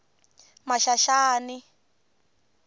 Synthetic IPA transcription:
maʃaʃaːni

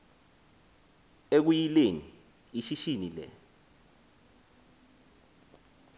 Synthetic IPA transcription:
ek̬ujileni | iʃiʃinilɛ̰

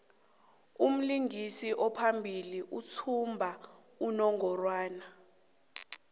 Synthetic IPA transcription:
um̩liŋisiʔɔpʰambʱiliʔut͡sʰumbʱa | unɔŋʱɔrwaːna

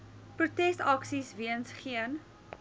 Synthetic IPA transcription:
pɾutɛstɐksisviənsχiən

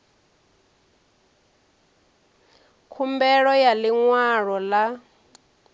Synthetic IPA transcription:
kʰumbɛɺɔjaliŋwaɺɔla

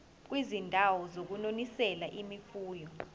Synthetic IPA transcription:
k̬wizindʱawɔzok̬unonisɛlaʔimifuːjɔ

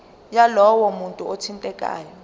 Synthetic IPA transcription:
jalɔwɔmuntʼuotʰintʼɛkʼa̰ːjɔ

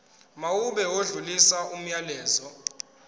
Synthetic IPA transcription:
mawuɓɛwoɮulisaum̩jalɛːzɔ

